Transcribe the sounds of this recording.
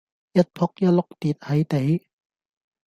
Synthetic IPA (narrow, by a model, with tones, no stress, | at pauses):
ja˦˥t̪̚pʰɔ˧˦˥k̚ja˧˥lo˧˦˥k̚t̪iː˨˩t̪̚ha˨˦jt̪e˨˦j